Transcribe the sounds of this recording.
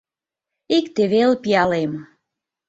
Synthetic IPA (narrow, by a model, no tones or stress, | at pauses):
ikt̪eβelpiɑlem